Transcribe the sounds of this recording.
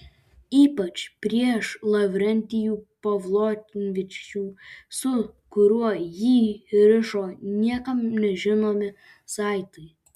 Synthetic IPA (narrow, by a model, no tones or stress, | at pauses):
iːpɐt͡ʃpʲɾʲiɛʃlˠɐʋʲɾʲɛnʲt̪ʲɪjuːpɐʋlˠoːtʲnʲʋʲɪt͡ʃʲuːsʊkʊɾʲuɔjiːɾʲɪʃoːnʲiɛkɐmnʲɛʒʲɪnoːmʲɪ | sɑɪt̪ɐj